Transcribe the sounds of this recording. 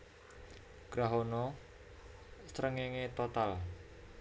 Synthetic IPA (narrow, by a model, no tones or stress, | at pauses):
ɡ̥ɾaɦonɔ | sɾəŋeŋet̪ot̪al